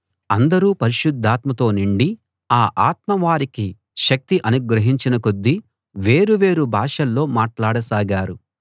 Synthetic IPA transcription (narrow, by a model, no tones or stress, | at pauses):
ɐnd̪ɐɾuːpɐɾiʃud̪ʱːaːt̪mɐt̪o̞ːniɳɖi | aːʔaːt̪̚mɐʋaːɾiki | ʃɐk̚t̪iʔɐnuɡɾɐɦiɲt͡ʃinɐkod̪ːi | ʋe̞ːɾuʋe̞ːɾubʱaːʂɐlːo̞ːmaːʈlaːɽɐsaːɡaːɾu